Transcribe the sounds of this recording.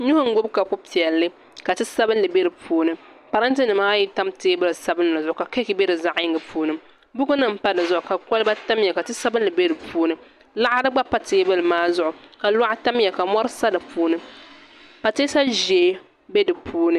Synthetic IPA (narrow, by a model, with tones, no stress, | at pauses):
ɲʊ˦hʊ˦ŋ̩˦ɡʊ˦bka˨kʊ˦pi˨ɛ˨lːɨ˦ | ka˨tɨ˦sa˦bɨ˦n˦lɨ˨be˦ɾɨ˨pʰuː˦nɨ˦ | pa˨ɾa˦nt̬ɨ˦nɨ˨maː˦ji˦ta˦mteː˦bɨ˦lsa˦bɨ˦n˦la˨zʊ˨ʔʊ˨ka˨ke˦kɪ˨˦be˦dɨ˨za˦ʔjɪ˦ŋɡɨ˦pʰuː˦nɨ˦ | bʊ˦ɡʊ˦nɨ˦˨m̩˨pa˦dɨ˨zʊ˦ʔʊ˨ka˨kɔ˦lba˦ta˦mjɛ˨ka˨tɨ˦sa˦bɨ˦nlɨ˨be˦ɾɨ˨pʰuː˦nɨ˦ | la˦ʔa˦dɨ˦ɡ͡ba˦pa˦teː˦bɨ˦lɨ˨maː˦zʊ˦ʔʊ˨ka˨la˦ʔa˦ta˦m˦jɛ˨ka˨mɔ˦ɾɨ˦sa˦dɨ˨pʰuː˦nɨ˦ | pa˨teː˦sa˦ʒe˨˦ | be˦dɨ˨pʰuː˦nɨ˦